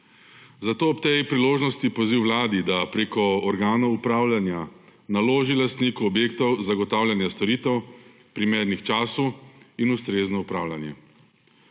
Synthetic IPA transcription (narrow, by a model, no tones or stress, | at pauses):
zat̪oːɔpt̪ejpɾiloːʒnɔst̪ipɔziwlaːd̪id̪apɾeːkɔɔɾɡaːnɔupɾaːwlʲjanjanaloːʒilast̪nikuɔbjeːk̚t̪ɔwzaɡɔt̪aːwlʲjanjast̪ɔɾiːt̪ɛw | pɾimeːɾnixt͡ʃaːsuinust̪ɾeːznɔupɾaːwlʲanjɛ̰